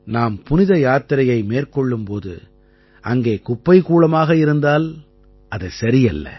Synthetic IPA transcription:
naːmpʊnɪðɐjaːt̪ɪɾɐjɐɪmeːrkɔɭːɯmpoːðɯ̰ | ʔɐŋɡeːkʊpːɐɪkuːɭɐmaːɣɐɪɾɯnd̪aːl | ʔɐðɐɪsɐɾɪjɐlːɐ̰

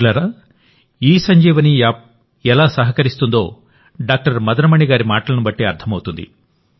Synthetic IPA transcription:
laɾa | iːsɐɲd͡ʒɛːʋɐni | ɛlaːsɐɦɐkɐɾist̪und̪o̞ː | ɖaːk̚ʈɐɾmɐd̪ɐɾɐmɐɳiɡaːɾimaːʈɐlɐnubɐʈːeːɐɾt̪ʰːɐmɐwut̪und̪ḭ

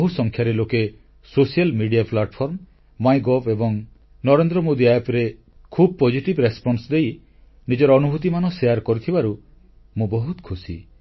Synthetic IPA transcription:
ɦusɔŋkʰjaɾeloke | sosialmiɖijaplaʈpʰɔɾm | majɡɔbebɔŋ | nɔɾend̪ɾɔmod̪iajepɾe | kʰubɔpɔd͡ʒiʈibɾespɔnsd̪ej | nid͡ʒɔɾɔːnuɦut̪̬imanɔsejaɾkɔɾit̪ʰibaɾu | mũbɔɦut̪kʰusḭ

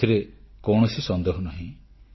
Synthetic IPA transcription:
iɾekɔwɳ̃ɔsisɔnd̪eɦɔnaɦĩ

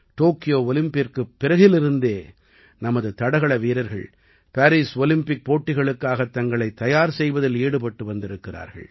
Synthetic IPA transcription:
ʈoːkɪjoːɔlɪmpɪrkɯpːɪɾɐɣɪlɪɾɯnd̪eː | nɐmɐðɯt̪ɐɽɐɣɐɭɐʋiːɾɐɾɣɐ̰ɭ | paːɾiːsɔlɪmpɪk̚poːʈːɪɣɐɭɯkːaːɣɐt̪ːɐŋɡɐɭɐɪt̪ːɐjaːɾsɛjʋɐðɪleːɽɯpɐʈːɯʋɐnd̪ɪɾɯkːɪra̰ːɾɣɐ̰ɭ

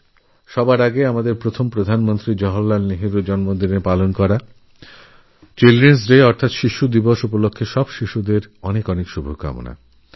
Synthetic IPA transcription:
ʃɔbaɾaɡeamad̪eɾpɾot̪ʰompɾod̪ʱanmont̪ɾid͡ʑɔɦolːalneɦiɾud͡ʑɔnmod̪inepalonkɔɾa | t͡ɕelɾens̬ɾeɔɾt̪ʰat̪ʃiʃud̪iboʃupolokʰːeʃɔbʃiʃud̪eɾɔnekɔnekʃubʱoka̰mo̰na̰

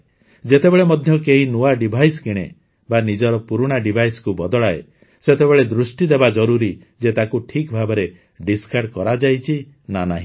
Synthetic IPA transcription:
d͡ʒet̪ebeɭemɔd̪ʱjɔkeɦinuaɖibʱajskiɽ̃ḛ | banid͡ʒɔɾɔpuɾuɽ̃aɖibʱajskubɔd̪ɔɭae | set̪ebeɭed̪ɾusʈid̪ebad͡ʒɔɾuɾi | d͡ʒet̪akuʈʰikbʱabɔɾe | ɖiskaɾʈkɔɾad͡ʒajt͡ʃʰi | nanaɦĩ

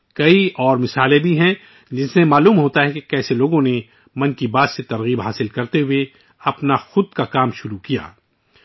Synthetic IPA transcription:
kɐiɔːɾmɪsaːlẽbʱiɦɛ̃ | d͡ʒɪssemaːluːmɦoːt̪aɦɛkekɛːseloːɡõne | mɐ̃nkibaːd̪set̪ɐɾɣiːbɦaːsɪlkɐɾt̪eɦʊe | ɐpnaxʊd̪̚kakaːmʃʊɾukija̰ː

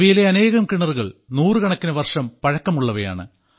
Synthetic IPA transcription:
ʋijile̞ɐne̞ːɣɐmkiɳɐruɣɐɭnuːrɨkɐɳɐkːinɐʋɐrʂɐmpɐɻɐkːɐmuɭːɐʋɐja̰ːɳɨ̰

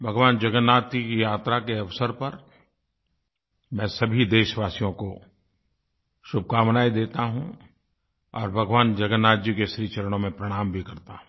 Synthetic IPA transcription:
bʱɐɡʋaːnd͡ʒɐɡənːaːt̪ikijaːt̪ɾakeɐʋsəɾpɐɾ | mɛ̃ːsɐbʱid̪eːʃʋaːsijõko | ʃʊb̚ʱkaːmnaːid̪eːt̪aɦũ | ɔ̰ːɾbʱɐɡʋaːnd͡ʒɐɡənːaːd͡ʒikeʃɾiːt͡ʃɐɾəɽ̃õmẽpɾɐɽ̃aːmbʱikɐɾt̪a̰ɦũ

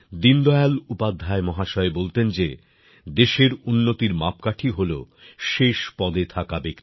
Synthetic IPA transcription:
d̪ind̪ɔealupad̪ʱːaemɔɦaʃɔebolt̪end͡ʑe | d̪eʃeɾunːot̪iɾmap̚kaʈʰiɦolo | ʃeʃpɔd̪et̪ʰakabekt̪i

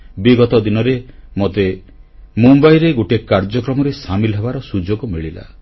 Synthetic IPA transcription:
biɡɔt̪ɔd̪inɔɾemot̪e | mumbajɾeɡoʈekaɾd͡ʒɔkɾɔmɔɾesamilɔɦebaɾɔsud͡ʒoɡɔmiɭila̰

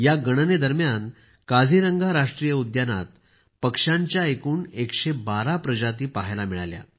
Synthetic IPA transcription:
jaɡəɽ̃əned̪əɾmjan | kad͡zʱiɾəŋɡʱaɾaʂʈɾijəud̪jana̰t̪̚ | pəkʂaɲt͡ɕjaekuːnekɕebaɾapɾəd͡ʑat̪iːpaɦajlamiɭalja̰

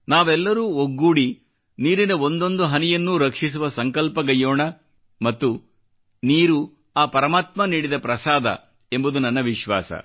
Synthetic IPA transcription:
naːʋɛlːɐɾuːoɡːuːɽi | niːɾinɐo̞nd̪o̞nd̪uɦɐnɛjɐnːuːɾɐkʂis̬uʋɐsɐŋkɐlpɐɡɐjoːɳɐ | mɐt̪ːu | niːɾu | aːpɐɾɐmaːt̪mɐniːɽid̪ɐpɾɐsaːd̪ʱɐ̰ | e̞mbud̪unɐnːɐʋiʃʋa̰ːsɐ̰

